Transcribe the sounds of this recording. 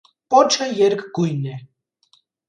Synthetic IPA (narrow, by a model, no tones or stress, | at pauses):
pʼɔt͡ʃʰəjɛɾkʰɡujnɛ